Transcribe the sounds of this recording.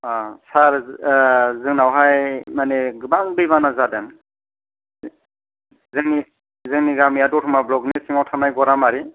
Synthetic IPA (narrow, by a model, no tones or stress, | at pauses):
asaɾ | zɯŋnawɦajmaneɡɯbaŋbɯjbanazadan | zɯŋni | zɯŋniɡamiadɔtʰɔmablɔɡnisiŋawtʰanajɡɔɾamaɾi